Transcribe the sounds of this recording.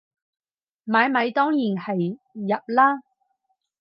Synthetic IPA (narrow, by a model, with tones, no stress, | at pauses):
maː˨˥jmɐ˨˧jt̪ɔː˥ŋjiː˨˩nhɐ˨jː | ɐ˨p̚laː˥